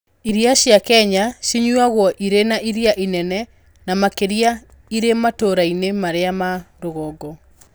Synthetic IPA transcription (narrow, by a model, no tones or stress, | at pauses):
iɾiaʃjakɛɲaʃiɲwaɣwɔʔiɾenaʔiɾiaʔinɛnɛ | namakeɾia | iɾematoɾainemaɾeamaɾoɣɔɡɔ